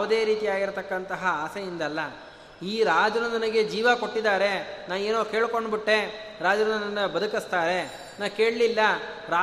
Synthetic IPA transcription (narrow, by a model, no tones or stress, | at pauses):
ɐd̪e̞ːɾiːt̪ijaːɡiɾt̪ɐkːɐnt̪ɐɦɐaːsejind̪ɐlːɐ | iːɾaːd͡ʒɐnɐnd̪ɐnɐɡe̞d͡ʒiːʋɐko̞ʈːid̪aːɾe̞naːneːnoːke̞ːɭko̞ɳɖbiʈːe̞ | ɾaːd͡ʒɐnɐnɐnɐnːɐbɐd̪ukist̪aːɾe̞ | naːke̞ːɭlilːɐ | ɾaː